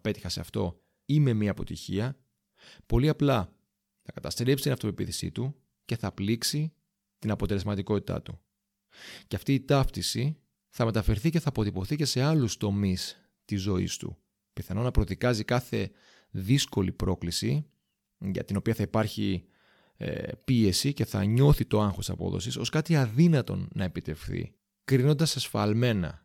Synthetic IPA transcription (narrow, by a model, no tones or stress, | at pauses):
ɐpe̞t̪i̥xɐseɐft̪o̞ | ime̞miɐːpo̞t̪içiɐ | po̞liɐplɐ | θɐkɐt̪ɐst̪ɾepsit̪inɐft̪opipiθi̥sḭt̪u | ce̞θɐpliksi | t̪inɐpo̞t̪e̞le̞zmɐt̪iko̞t̪i̥t̪ɐ̰t̪u | ceɐft̪iːt̪ɐft̪isi | θɐme̞t̪ɐfe̞ɾθice̞θɐːpo̞t̪ipo̞θice̞se̞ɐlust̪o̞mis | t̪izo̞ḭst̪ṵ | piθɐno̞nɐpɾo̞ðikɐzikɐθe̞ | ðisko̞lipɾo̞klisi | ʝɐ̰t̪ino̞piɐθɐipɐɾçḭ | pie̞sice̞θɐ̰ɲo̞θit̪o̞ɐŋxot̪i̥sɐpo̞̰ðo̰siso̞skɐt̪iɐðinɐt̪o̞̰nɐe̞pit̪e̞fθḭ | kɾino̞nd̪ɐsesfɐ̰lme̞nɐ̰